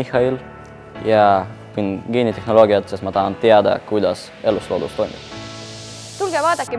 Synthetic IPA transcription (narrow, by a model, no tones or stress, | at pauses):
ihɑil | jɑkunɡ̥iːnit̪e̞hno̞lo̞ːɡiɑt̪sest̪mɑt̪ɑɦɑnt̪eɑd̪ɑ̰kujd̪ɑs | e̞lːuslo̞̰ːd̪ṵst̪o̞jmḭb̥ | t̪ulɡevɑːd̪̥ɑkːˑi